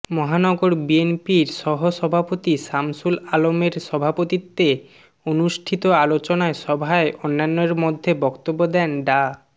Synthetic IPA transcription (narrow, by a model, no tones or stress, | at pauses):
mɔɦanɔɡoɾbienpiɾʃɔɦoʃɔbʱapot̪iʃamsulalomeɾʃɔbʱapot̪it̪ːe | onuʃʈʰit̪oalot͡ɕonaeʃɔbʱaeʔonːanːeɾmod̪ʱːebɔkt̪obːod̪ɛnɖa